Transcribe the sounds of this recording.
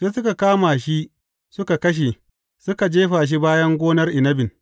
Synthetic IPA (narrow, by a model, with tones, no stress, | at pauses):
seː˦sʊ˦ka˨kaː˦ma˨ʃi˦ʔ | sʊ˦ka˨kɐ˦ʃ̬e˨ | sʊ˦ka˨d͡ʒeː˦ɸaː˨ʃ̬i˦baː˦jɐ˦ŋɡʷoː˦nɐ˦rʔɪ˨nɐ˦bɪ˨n